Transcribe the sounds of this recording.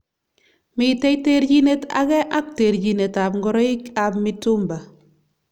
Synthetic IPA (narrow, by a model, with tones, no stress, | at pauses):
mi˨te˦jteɾɟi˦ne˦ta̰˨ɡɛ˦ʔa˦k̚te˨ɾd͡ʒi˨ne˨ta˨pŋɡɔ˦ɾɔ˦i˦ka˨pmitu˦mba˨